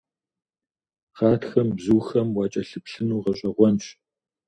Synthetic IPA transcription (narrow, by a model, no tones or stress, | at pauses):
χaːtxɐmbzuːxɐmwɑːt͡ʃʼɐɬɨpɬɨnuːʁɐɕʷʼɐʁʷɔnɕʼ